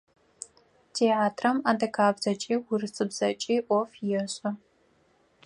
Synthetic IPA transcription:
tʰeːaːtʰrɐmaːdɐkʰaːbzɐt͡ʃʼiːwʊrɨsʼɨbz̥ɐt͡ʃʼiːʔʷɔfjɛɕʼɐ

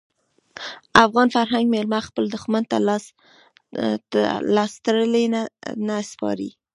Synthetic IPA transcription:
afɣɑnfaɾɦaŋɡmelmaxpəld̪ʊxmant̪a̰l | lɑst̪aɾəlennaspɑ̰ɾḭ

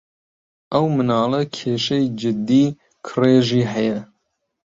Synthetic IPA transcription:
ʔɐwmɨnɑːlɛkʰeːʃɛjd͡ʒɪd̪iː | kʰɨreːʒiːɦɛjɛ

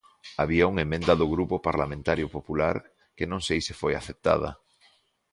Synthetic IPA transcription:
aβiauŋemẽnd̪aðʊɣɾupopaɾlamẽnt̪aɾjʊpopulaɾ | kenõŋsejsɪfojaθep̚t̪a̰ð̞ɐ̰

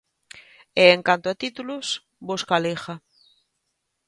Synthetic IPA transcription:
eːŋkant̪oat̪it̪ulos | boskalexa

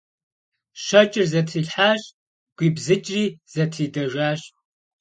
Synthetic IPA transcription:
ʃɐt͡ʃʼɪrzɐtʰriːɬħaːɕʼ | ɡʷiːbzɨt͡ʃʼriːz̥ɐtʰriːdɐʒaːɕ

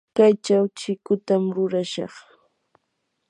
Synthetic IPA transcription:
kajt͡ʃawt͡ʃɪkʊt̪amɾʊɾaʃɑ̰χ

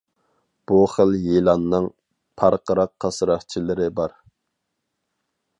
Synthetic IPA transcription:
b̥uχəljelˠɑnːɨŋ | pʰɑɾqəɾɑqʰːɑsɾɑχt͡ʃʰilɪɾɪbɑɾ

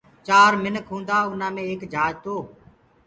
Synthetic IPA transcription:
t͡ʃaːɾmɪnəkʰɦũːnd̪aːʊn̤ãːmẽːeːkd͡ʒʱaːd͡ʒt̪oː

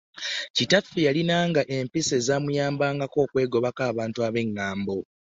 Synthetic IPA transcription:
citafijalinaːŋɡaʔe̞mpise̞zaːmujaːmbaːŋɡako̞ːkwe̞ːɡo̞βakaːβaːntuaβe̞ŋːaːmbo̞

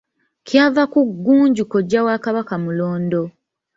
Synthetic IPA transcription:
cjaːvakuɡːuːɲɟuko̞ɟːawaːkaβakamuloːndo̞

